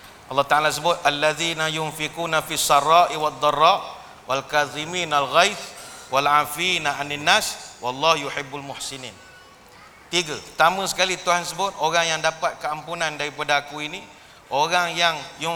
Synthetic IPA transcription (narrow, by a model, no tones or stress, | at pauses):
ʔɑlːɑht̪aʕalas̬əbʊt̪̚ʔalːaðinajʊnfikuːnafiasːɑrˤɑːʔiwad̪ˤːɑrːɑːʔ | walkaðimiːnalɣajfwʔalʕafinaʕananːaswɑlˤːɑhjuħɪbːalmʊħsinḭːn | t̪iɡət̪amə̃sə̥kalit̪uɦansəbʊt̪̚oɾaŋjaŋdapat̪̚kəampunãndaɾipadakuini | ʔoɾaŋjaŋjʊ